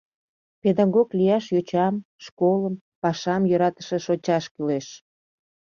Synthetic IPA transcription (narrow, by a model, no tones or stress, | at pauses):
ped̪ɑɣoklijɑʃjot͡ɕɑmʃkoləm | pɑʃɑmjøɾɑt̪ə̥ʃĕʃot͡ɕɑʃkyleʃ